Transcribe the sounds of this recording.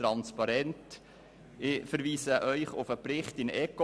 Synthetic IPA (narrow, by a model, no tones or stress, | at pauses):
ɾɑnspɑɾɛnt | ɪfəɾʋiːsəʔœʏχʊfəpɾɪχtɪnɛko